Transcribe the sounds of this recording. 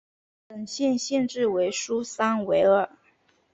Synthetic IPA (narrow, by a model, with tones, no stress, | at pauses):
pə˨˩ŋɕjɛ˥˧nɕjɛ˥˧nʈ͡ʂɻ̩˥˩we˧˥ɪʂu˥sa˥nwe˧˥ɪə˞˥˩